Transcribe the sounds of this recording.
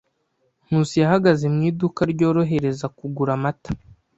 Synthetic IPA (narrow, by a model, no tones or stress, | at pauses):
n̥uːsijaɦaɡaze̞mŋiːdukaɾɟo̞ːɾo̞ɦe̞ɾe̞zakuɡuɾamatḁ